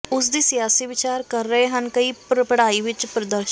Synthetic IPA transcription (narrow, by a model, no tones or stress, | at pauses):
ʊs̬d̪iːsɪjaːsiːʋɪt͡ʃaːɾkəɾːəɦeɦənkəiːpɾəpəɽaːiːʋɪt͡ʃpɾəd̪əɾʃ